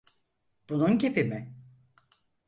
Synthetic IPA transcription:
b̥ununcepimɪ

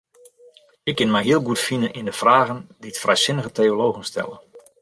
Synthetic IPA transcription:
ɪkːɪnmɛjɦiəlˠɡutfinənʔindəfraːɣənditfrɛjsɪnəɣətʰeoloːɣənstʰɛ̰lˠən

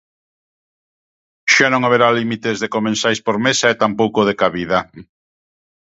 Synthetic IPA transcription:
ʃanõŋaβeɾalimit̪ezðekomẽnsajspoɾmesaet̪ampowkoð̞ekaβiða

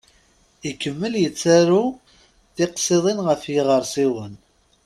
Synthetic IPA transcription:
ikːəmːəljət͡sːæɾu | θɪqsˤeðˤɪnʁəfjɪʁəɾˤsiwən

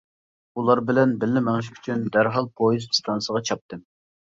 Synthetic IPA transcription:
ulˠɑɾbɪlɛnbɪlːɪmæŋʃʰy̥t͡ʃʰynd̪æɾɦɑlˠpʰojizst̪ʰɑnsəʁɑt͡ʃʰɑp̚t̪ʰɨm

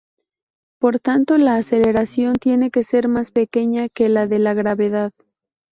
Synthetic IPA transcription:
po̞ɾt̪ant̪o̞laːse̞le̞ɾasjo̞nt̪je̞ne̞ke̞se̞ɾmaspe̞ke̞ɲake̞laðe̞laɣɾaβe̞ðað

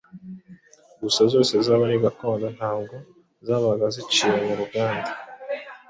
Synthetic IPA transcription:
ɡusazo̞ːsezaːβaɾiɡakoːndan̥haːbɡo̞ | zaːβaɡazit͡ʃiɾemuɾuɡaːnda

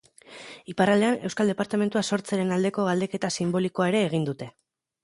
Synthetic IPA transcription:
iparald̪e̞ane̞wskald̪e̞paɾt̪ame̞nt̪uaso̞ɾt͡seɾe̞nald̪e̞ko̞ɣald̪e̞ke̞t̪asimbo̞likoaeɾe̞ːɣ̞ind̪ut̪e̞

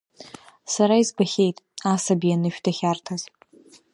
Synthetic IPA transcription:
saɾaizbaχʲe̞jtʼasabianɨʃᶣdaχʲartʰaz̥

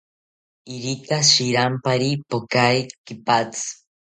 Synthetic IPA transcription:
iɾikaʃiɾampaɾipokaikipat͡sɨ̥

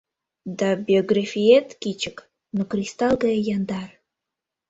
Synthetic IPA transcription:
d̪ɑbʲioɡrafʲiet̪kit͡ɕək | nokrʲist̪ɑlˠɡɑjejɑnd̪ɑr

